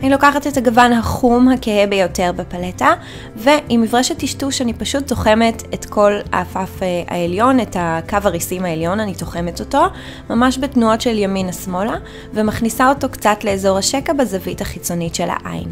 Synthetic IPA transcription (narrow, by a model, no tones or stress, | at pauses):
anilo̞kaχatethaɡavanhaχumhakehebejo̞te̞ʁbepaleta | veʔimivʁeʃetːiʃtuʃanipaʃut̚do̞χe̞metetkʰo̞la̰ːfafea̰eljo̞netakavaʁisimaeljo̞nanitoχe̞meto̞to̞ | mamaʃbetnuotʃeljaminasmo̞la | vemaχnisao̞to̞kt͡satle̞ːzo̞ʁhaʃekabezavithaχit͡so̞nitʃe̞la̰ʔa̰j̰n